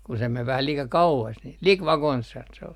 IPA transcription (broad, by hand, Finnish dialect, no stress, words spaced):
ku se meʋ ʋæhæ liːkɑ kɑuɑs nil lik ʋɑkonshɑn se ol